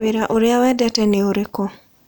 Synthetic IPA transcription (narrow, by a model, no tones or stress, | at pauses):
eɾaʔoɾɪawɛdɛtɛneoɾeko